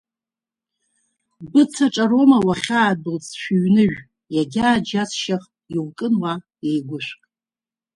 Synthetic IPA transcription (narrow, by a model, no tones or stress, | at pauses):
bɨt͡sʰaʈ͡ʂʼaɾomawaχʲaːdɨlt͡sʰʃʷᶣʊɥnɨʒᶣ | jaɡʲaːd͡ʒasʰʃaχʼiwkʼɨnwa | ejɡʷʊʃʷkʼ